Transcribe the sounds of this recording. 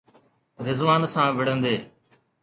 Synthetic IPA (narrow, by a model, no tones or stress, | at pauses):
ɾɪzʋaːnsãːʋɪɽ̤ə̃nd̪eː